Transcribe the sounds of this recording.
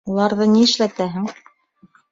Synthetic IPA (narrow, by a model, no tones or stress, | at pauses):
ulˠɑɾðɤniɘ̆ʃlæt̪æɦɘŋ